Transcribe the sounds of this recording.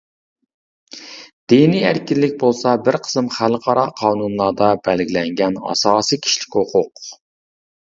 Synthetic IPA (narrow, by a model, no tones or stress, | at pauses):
d̪̥enijæɾkʲilːɪkʲbolˠsɑbɪɾqʰə̥sɨmχælqʰɑɾɑqʰɑːnunlˠɑd̪ɑbɛlɡʲilɛŋɡʲɛnɑ̰sɑːsijkʲʰi̥ʃlɪ̥kʲhoqʰʊq